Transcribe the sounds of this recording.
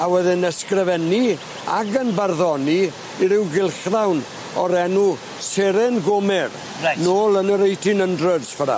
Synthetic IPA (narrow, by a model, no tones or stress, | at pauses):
awɛðɪnɛskrəvɛni | a̰ɡənbarðɔni | iɾɪwɡɪlˠχðawn | ɔɾɛnu | seɾɛnɡʊmɪr | anoːlˠənəɾejtʰɪnəndrədsfəɾa̰